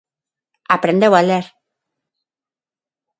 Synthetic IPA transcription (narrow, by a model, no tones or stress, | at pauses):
apɾend̪ewaleɾ